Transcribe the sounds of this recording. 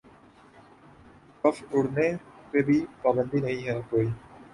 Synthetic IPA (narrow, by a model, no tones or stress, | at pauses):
kɔfʰʊɽnepebʱipaːbə̃nd̪inɐɦĩɦɛːkoːi